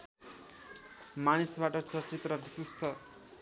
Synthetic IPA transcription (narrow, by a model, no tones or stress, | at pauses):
manisbaʈʌt͡sʌrt͡sit̪rʌbisist̪ʰʌ